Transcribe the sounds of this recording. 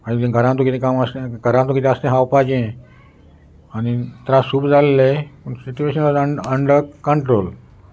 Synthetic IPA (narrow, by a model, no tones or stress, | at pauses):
anit̪ẽɡʱəɾãt̪ukit̪ʰẽkaməst̪ẽɡʱəɾãt̪ukit̪ʰẽəst̪ẽɦawpad͡ʑẽ | anit̪ɾãsuːbd͡zalːepəɳsit͡ɕueɕənaəəɳɖəɾkəɳʈɾol